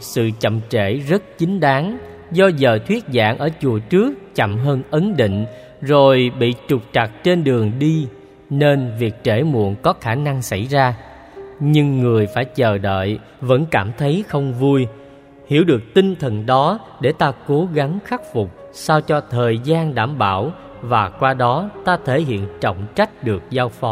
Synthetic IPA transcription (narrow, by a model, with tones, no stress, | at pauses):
sɨ̰˧˨t͡ɕə̰˧˨mt͡ɕḛ˧˩zə˦˥t̚t͡ɕï˨˦ŋ̟ɗaː˨˦ŋ | zɔ˧zəː˨˩t̪ʰwi˦˥ət̚za̰ː˧˥ŋʔəː˧˩t͡ɕu˨˩ət͡ɕɨ˦˥ək̚t͡ɕa̰˧˨mɦəː˧nʔə˨˦nɗḭ̈˧˨ŋ̟ | zo˨˩jɓḭ˧˨t͡ɕʊ˨˩p̚t͡ɕa˨˩t̚t͡ɕe˧nɗɨ˨˩əŋɗi˧ | ne˧nvi˨˩ək̚t͡ɕe˧˩mṵ˧˨ənkɔ˨˦xaː˧˩na˧ŋsa̰˧˩jzaː˧ | ɲɨ˧ŋːɨ˨˩əjfaː˧˩jt͡ɕəː˨˩ɗə̰ː˧˨j | və̰˧˥nkaː˧˩mt̪ʰə˨˦jxə˧wŋ͡mvu˧əj | hḭ˧˩əwɗɨ˨˩ək̚t̪i˧ŋt̪ʰə˨˩nɗɔ˨˦ɗe˧˩t̪aː˧ko˨˦ɣa˨˦ŋxa˦˥k̚fʊ˨˩k͡p̚ | saː˧wt͡ɕɔ˧t̪ʰəː˨˩jzaː˧nɗaː˧˩mɓaː˧˩w | vaː˨˩kwaː˧ɗɔ˨˦t̪aː˧t̪ʰe˧˩hḭ˧˨ənt͡ɕə̰˧˨wŋ͡mt͡ɕa˦˥jk̟̚ɗɨ˨˩ək̚zaː˧wfɔ˨˦